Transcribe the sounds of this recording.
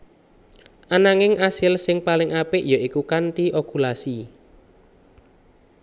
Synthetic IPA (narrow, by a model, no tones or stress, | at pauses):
ʔanaŋɪŋʔasɪlsɪŋpalɪŋʔapɪʔjɔikukant̪iʔokulasi